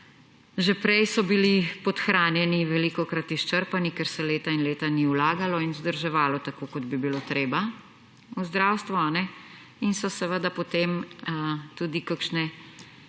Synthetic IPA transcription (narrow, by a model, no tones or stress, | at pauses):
ʒɛpɾɛjsɔbilipɔt̪xɾaːnjɛniʋɛliːkɔkɾat̪iʃt͡ʃəɾpanikɛɾsɛleːt̪ainleːt̪aniwlaːɡalɔinzd̪əɾʒɛʋaːlɔt̪akokɔd̪bibilot̪ɾeːba | uzd̪ɾaːwst̪ʋuanɛ | insɔsɛʋəd̪apɔt̪eːm | t̪uːd̪ikəkʃnɛ